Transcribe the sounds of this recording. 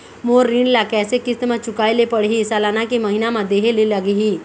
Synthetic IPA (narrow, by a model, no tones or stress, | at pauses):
moːɾːinlakɛːsekɪst̪mãt͡ʃʊkaːelepəɽ̤ɦisaːlaːnakimɐɦɪnamãd̪eːɦeleləɡɦiː